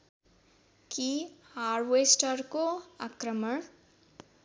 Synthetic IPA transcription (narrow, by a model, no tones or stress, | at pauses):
kihaːɖʋeːsʈəɾkoakɾəməɳ